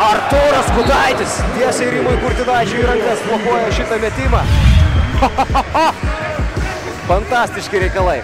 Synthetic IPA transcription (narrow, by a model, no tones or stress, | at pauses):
ɐɾt̪oːɾɐskʊt̪ɑɪt̪ʲɪst̪ʲiɛsɐɪɾʲimojkʊɾʲt̪ʲɪnɑːjt͡ʃʲɛiɾɐŋkɐspoːkoːjɛʃʲɪt̪ɐmʲɛt̪ʲɪmɑː | fɐnt̪ɑːsʲt̪ʲɪʃʲkʲɪɾʲɛɪkɐlˠɐɪ